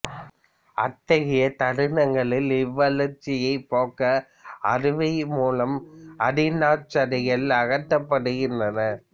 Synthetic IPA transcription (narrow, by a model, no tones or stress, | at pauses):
ɐt̪ːɐɣɪjɐt̪ɐɽɯnɐŋɡɐɭɪlɪʋːɐlɐɾt͡ʃːɪjɐɪpoːkɐː | ɾɯʋɐɪmuːlɐmɐɽɪnaːt͡ʃːɐɾɐɣɐɭɐɣɐt̪ːɐpːɐɽɯɣɪndrɐnɐ